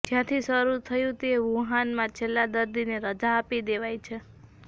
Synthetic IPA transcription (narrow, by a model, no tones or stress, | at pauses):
d͡ʒjãt̪ʰisəɾut̪ʰəjũt̪eʋuɦanmãt͡ʃʰelːãd̪əɾd̪ineɾəd͡ʒaːpid̪eʋajt͡ʃʰe